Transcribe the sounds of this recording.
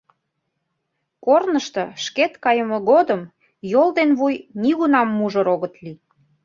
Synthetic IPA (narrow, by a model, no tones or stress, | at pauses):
kornəʃt̪ɤʃket̪kɑjəmoɣod̪əm | jold̪enβujniɣunɑmːuʒəɾoɣət̪li